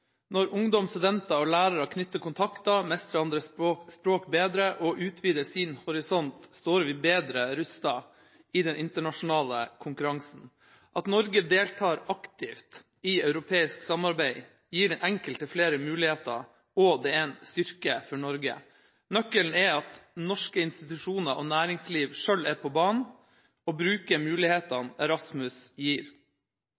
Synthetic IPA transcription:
nɔɾʊŋd̪ɔmst̪ʉd̪ɛnt̪ɑɔlæːɾɑɾəkʰnʏt̪ːəkʰʊnt̪ʰɑkt̪ɑmɛst̪ɾəɑnd̪ɾəospɾoːkbeːd̪ɾəʔɔʔʉːt̪ʰʋiːd̪əsinhʊɾɪsɔnt̪st̪oːɾʋiːbeːd̪ɾəɾʉst̪ɑ | id̪ɛnʔɪnt̪əɳɑʂʊn̩ɑːlə̰kʰʊŋkʉɾɑŋsn̩ | ʔɑt̪nɔɾɡəd̪eːlt̪ʰɑːɾɑkt̪ʰɪft̪ | iœʉɾʊpʰeːɪsksɑmɑɾbæɪ | jiːɖɛnʔɛŋkəlt̪əfleːɾəmʉːlɪheːt̪əɾ | ɔd̪ɛɛnst̪ʏɾkəfɔɳɔɾɡə̰ | nœkːəln̩ɛɑt̪nɔʂkəɪnst̪ɪt̪ʉʂuːnəɾʔɔnæːɾɪŋsliːʋʂœlːɛpʰɔbɑːɳ | ɔbɾʉːkəɾmʉːlɪheːt̪ɑnɛɾɑsmʉsjiːɾ

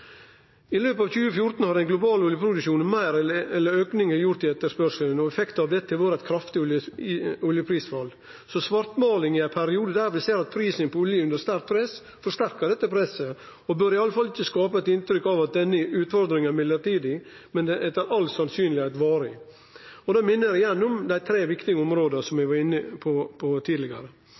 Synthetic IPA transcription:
ɪløːpɑːʋçʉːəfjʊɾt̪n̩hɑɾɛɪnɡlʊbɑːlʊljəpʰɾʊd̪ʉʃuːnmæɪɾɛɛlːəɾøːknɪŋəɾjʊɾt̪ɪɛt̪ːəʂpœʂlənɔɛfɛkt̪ɑʋd̪ɛt̪ːəʋɑːɾɛɪt̪kʰɾɑft̪ɪʊl | ʊljəpʰɾiːsfɑl | sɔsʋɑɾt̪mɑːlɪŋɪɛɪpʰæɾɪuːd̪əd̪æːɾʋɪseːɾɑt̪̚pʰɾiːsənpʰɔʊljəʉnd̪əɾst̪æɾk̪̚pʰɾɛs | fɔɾʂt̪æɾkəɖɛt̪ːəpʰɾɛsə | ɔbøːɾɪɑlːəfɑlːɪçːəskɑːpəɛt̪ɪnt̪ɾʏkːɑʋɑt̪̚d̪ɛnːəʔʉːt̪fɔɾd̪ɾɪŋæɾmɪlːəɾʈiːd̪ɪ | mɛnɛʔɛt̪æɾɑlt̪sɑnsyːnlɪhæɪt̪ʋɑːɾɪ | ɔd̪ɑːmɪnːəɾɪjɛnːʊmd̪æɪt̪ʰɾeːʋɪkt̪ɪɡəɔmɾoːd̪əsɔmɛʋɑɾɪnːəpʰɔpʰɔt̪ʰiːd̪lɪɡɑ̰ɾə

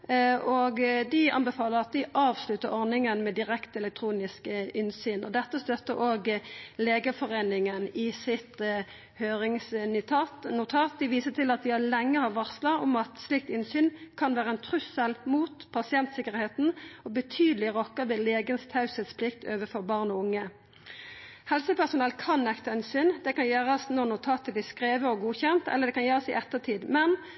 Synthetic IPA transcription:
ʔɔːɡd̪ɪɑ̰nbɛfɑːləɾɑt̪̚d̪ɪʔɑːʋslʉt̪ːəɾɔʁnɪŋənmɛd̪ɪʁɛkt̪ɛlɛk̚t̪ʰɾuːnɪskəɪnsyːnʔɔ̰d̪ɛt̪ːəst̪œt̪ːəɾʔoːɡleːɡəfɔʁeːnɪŋənɪsɪt̪ | høːɾɪŋsnʰɑnʊt̪ʰɑːt̪̚d̪ɪʋiːsət̪ʰɪlɑt̪̚d̪ɪælɛŋːəhɑʋɑʁslɑɔ̰mɑt̪slɪk̚t̪ɪnsyːnkʰɑnʋæːʁəɛnt̪ʰɾʉsəlmuːt̪pʰɑsɪɛnt̪sɪkəʁheːt̪n̩ɔbət̪ʰyːd̪əlɪʁɔkːəd̪ɛleːɡənst̪ʰɑʉsət̪spʰlɪkt̪ʰøːʋəfɔʁbɑʁnɔʊŋːə | hɛlsəpʰæsʊnɛlkʰɑnːɛkt̪ɑɪnsyːnd̪ɛkɑnjæːʁɑsnɔʁnʊt̪ʰɑːt̪əblɪːskʁeːʋəɔɡuːçɛnt̪ɛ̰lːəd̪ɛkɑnjøːʁɑsɪ̰ʔɛt̪ːət̪ʰiːd̪mɛn

